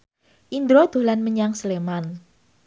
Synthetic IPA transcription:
ʔind̪ɾod̪̥o̤lanməɲaŋsleman

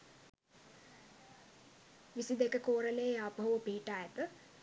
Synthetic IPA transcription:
ʋisid̪ekəkoːɾəlejeaːpɦoʋəpiːʈaːjɛt̪ə

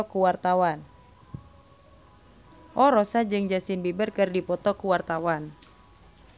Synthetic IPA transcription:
ɔkuwart̪awan | ʔɔɾɔsad͡ʒɨŋd͡ʒasinbibərkɨrdipɔt̪ɔkuwart̪awan

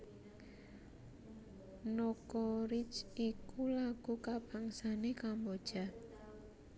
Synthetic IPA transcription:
nɔkɔɾit͡ʃikulaɡ̥ṳkab̥a̤ŋsanekambod̥ʒ̥a̤

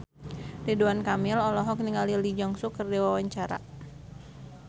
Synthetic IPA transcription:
riduankamɪlɔlɔɦɔk̚niŋalilid͡ʒɔŋsukərdiwawaɲt͡ʃaɾa̰

